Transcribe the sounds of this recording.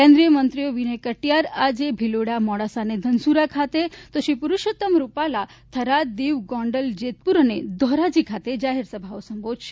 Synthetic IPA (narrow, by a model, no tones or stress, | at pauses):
kẽnd̪ɾijəmənt̪ɾijoʋinekəʈjaɾad͡ʒebʱiloɽamɔɽasaned̪ʱənsuɾakʰat̪et̪oʃipuɾuʃot̪əmɾupalat̪ʰəɾad̪iʋɡɔ̃ɳɖəld͡ʒet̪̚puɾəned̪ʱɔɾad͡ʒikʰat̪ed͡ʒaɦeɾsəbʱaosəmbʱod̪ʱʃe̥